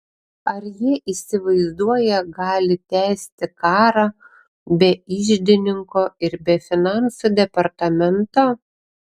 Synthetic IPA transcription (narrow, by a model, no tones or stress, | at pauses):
ɐɾjiɛʔiːsʲɪʋɐɪzd̪uɔjɛɡɑːlʲɪt̪ʲæːsʲt̪ʲɪkɑːɾɑ | bʲɛɪʒʲd̪ʲɪnʲɪŋkoːɪɾbʲɛfʲɪnɑˑnsud̪ʲɛpɐɾt̪ɐmʲɛnt̪oː